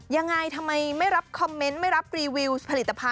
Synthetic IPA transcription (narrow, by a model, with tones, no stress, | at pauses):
ja˧ŋːa˧jt̪ʰa˧mːa˧jma˥˩jɾa˦˥p̚kʰɔ˧mːe˦˥nma˥˩jɾa˦˥p̚ɾiː˧wi˧wspʰa˧li˨˩t̪ːa˧pʰa˧